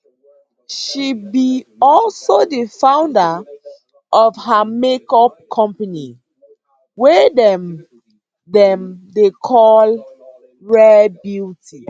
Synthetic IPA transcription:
ʃibiɔlsodəfãʊ̃ndə | ʔɔvɦamekɔp̚kʰɔ̃mpani | wɛdɛm | dɛ̃mdekʰɔl | ɹɛbitʰi

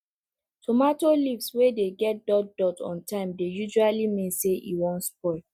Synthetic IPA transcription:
tʰomatolivswedeɡɛt̚dɔt̚dɔtʰɔ̰̃ntʰãɪ̃mdejuʒualimĩnseʔḭwɔ̃ntspɔɪ

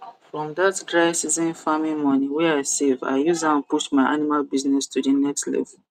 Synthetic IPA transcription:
fɹɔ̃mdatdɹaɪsizĩnfamĩnmɔ̃niwɛaɪseva̰ɪjuzãnpuʃtmaɪʔa̰nimalbiznɛstʰudənɛkslɛ̰vɛl

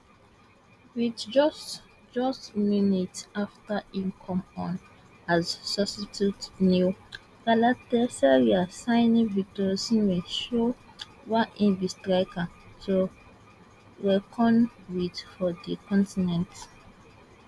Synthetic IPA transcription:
widd͡ʒɔs | d͡ʒɔstmunitaftaĩmkʰɔ̃mɔ̃n | azsɔstitutnu | ɡalatɛsɛɹiasãɪnĩvitosĩmeʃo | waʔĩnvistɹaɪkʰãntʰu | ɹɛkʰɔ̃nwitfɔdikʰɔ̃ntinɛ̃nt

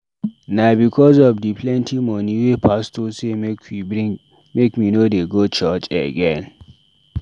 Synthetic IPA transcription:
nabikʰɔz̬ɔvdipʰlɛ̃ntʰimɔniwepʰastosekwii | mekminodeɡot͡ʃat͡ʃə̰ɡɛ̃n

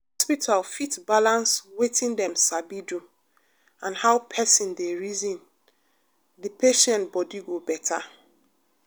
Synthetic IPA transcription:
hɔspitʰalfitbalãnswetʰĩndɛ̃msabidu | ãnhaʊpʰɛsĩndeɹizĩn | dipʰeʃɛ̃ntbɔdiɡobɛtʰa

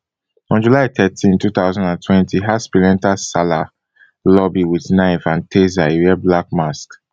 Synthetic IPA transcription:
ɔ̃nd͡ʒulaɪt̪ɛtʰĩntuθaʊzãndãntʰwɛ̃ntʰiɦaspilɛ̃ntasala | lɔbiwiθnãɪ̃fãntʰezaiwɛblak̚mask

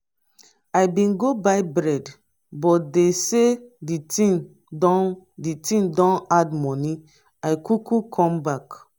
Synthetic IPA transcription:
ajbĩnɡobajbɹɛd | bɔt̚deseditĩŋ | dɔditʰĩŋdɔ̃nadmɔni | ajkukukʰɔ̃mbak

